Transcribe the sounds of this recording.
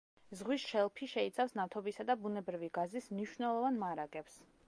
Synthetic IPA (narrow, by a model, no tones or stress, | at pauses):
zʁwisʃɛlˠpʰiʃɛit̪sʰafsnat̪ʰɔbisad̪abunɛbɾiviɡazismniʃwnɛlˠɔvanmaɾaɡɛps